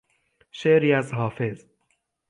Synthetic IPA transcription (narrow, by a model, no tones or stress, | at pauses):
ʃeːʔɾiːæzɦɒːfe̞z